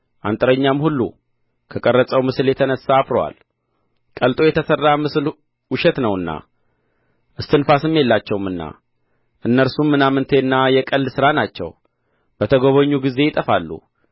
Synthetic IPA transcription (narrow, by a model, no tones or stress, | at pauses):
ʔa̰nt̪ʼɨɾəɲːamhulːṵ | kʰəkʼərːət͡sʼəwmɨsɨljɛt̪ʰənəsaːbɾowa̰l | kʼəlt̪ʼo̞jɛt̪ʰəsərːamɨsl | wʊʃɛt̪nəwɨnːa̰ | ʔɨst̪ʰɨnfasɨmːje̞lːat͡ʃːɛwmɨnːa̰ | ʔɨnːəɾsumːɨnamɨnt̪ʰeɨnːajɛkʼəlːsɨɾanat͡ʃːɛ̰w | b̥ət̪ʰəɡo̞βəɲːuɡize̞jɪt̪ʼəfalːṵ